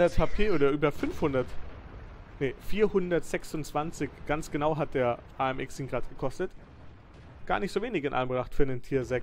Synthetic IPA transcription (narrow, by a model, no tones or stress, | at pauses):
dɛɐtʰapʰeːʔoːdɐʔyːbɐfʏnfhʊndɐt | nefiːɐhʊndɐtz̥ɛksʊnt͡sv̥ant͡sɪçɡ̥ant͡sɡ̥ənaʊɦat̚d̥eːɐʔaːɛmʔɪksɪŋɡʁaːtɡ̥əkʰɔstət | ɡ̥aːɐnɪçtz̥oːveːnɪçɪnʔa̰lmbʁaχtfyːɐnentʰiːɐzɛk